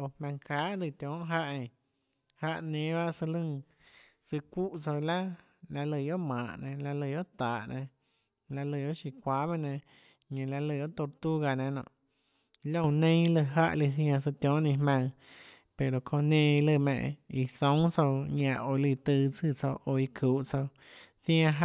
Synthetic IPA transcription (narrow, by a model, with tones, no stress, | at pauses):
o˨hmã˧ŋkaː˨˦ʔlɨ˧˨t̪ʲjɔ̃ː˨˦ʔɦa˦ʔẽ˨ | ha˧ʔnẽ˧˦ba˦sɨ˧lɨ̃˦˧ | sɨ˧kʷu˦ʔt͡so˧wla˦ | la˧lə˧˨jo˦ʔmãː˨ʔnẽ˧la˧lə˧˨jo˦ʔt̪aː˨ʔnẽ˧ | la˧lɨ˧˨jo˦ʔʃi˧kʷaː˧˦mã˦nẽ˧˨ | ɲẽ˨la˧lɨ˧˨jo˦ʔt̪o˧ɾt̪u˦ɡa˧˨nẽ˧nɔ̰̃˧˨ʔ | lõ˦˧˨nẽ˦lɨ˧˨ɦa˦ʔli˧θj̃ã˧s̬ɨ˧t̪jɔ̃˦ʔnĩ˧hmã˧ŋ | pe˨ɾo˨kʰõ˧nẽ˧˨i˧lɨ˧˨mḛ̃˧˨ʔi˧θõ˨˦ŋ̃t͡so˧wɲã˧˨ʔo˧li˧˨t̪ɨ˧t͡sɨ˧˨t͡so˧ʔo˧i˧kʰuː˨ʔt͡so˧w | θj̃ã˧ɦ